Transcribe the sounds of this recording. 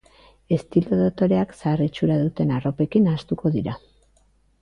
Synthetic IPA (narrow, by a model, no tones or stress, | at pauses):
e̞st̪ilo̞ðot̪o̞ɾe̞aksarit͡ʃuɾaðut̪e̞naro̞pe̞kinast̪uko̞ðiɾa